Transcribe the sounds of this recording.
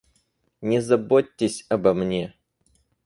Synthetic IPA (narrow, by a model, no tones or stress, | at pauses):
nʲɪzɐbotʲːɪsʲɐbɐmnʲe